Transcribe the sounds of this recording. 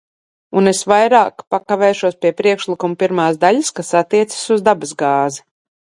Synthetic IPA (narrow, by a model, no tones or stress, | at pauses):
unesvajɾaːkpakavɛːʃuɔspʲiɛpɾiɛkʃlˠikumpiɾmaːsd̪aʎaskasat̪ːiɛt̪sə̥suzd̪abɨzɡaːzi